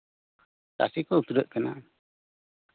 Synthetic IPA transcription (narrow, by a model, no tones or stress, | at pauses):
t̪a̰sikot̪udəʔ̪̚kəna̰